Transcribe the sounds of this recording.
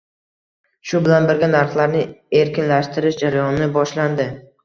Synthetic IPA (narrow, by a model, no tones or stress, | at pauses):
ʃʊbɪlanbɪɾɡʲanaɾχlˠaɾnɪe̞ɾkʲɪnlaʃt̪ɪɾɪʃd͡ʒaɾajɒnɪnɪbɒʃland̪ɪ